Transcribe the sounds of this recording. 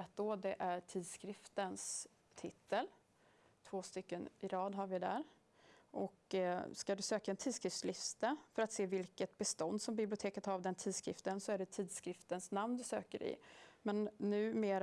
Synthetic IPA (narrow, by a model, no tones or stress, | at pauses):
at̪̚d̪ɔd̪ɛʔæʈʰiːd̪skɾɪft̪əns | t̪ʰɪt̪ːəl | t̪ʰvoːst̪ʏkːənɪɾɑːd̪ɦaɾvɪd̪æ̰ɾ | ʔɔkskad̪ɵsøːkaɛnt̪ʰiːd̪skɾɪft̪slɪfst̪əfœɾat̪seːvɪlkət̪̚bɛst̪ɔnd̪sɔmbɪblɪʊt̪ʰeːkət̪havd̪ɛnt̪ʰiːd̪skɾɪ̰ft̪ənsɔæɖɛt̪ʰiːd̪skɾɪft̪ənsnamnd̪ɵsø̰ːkəɾɪ̰mɛnːʉ̟ːmeːɾ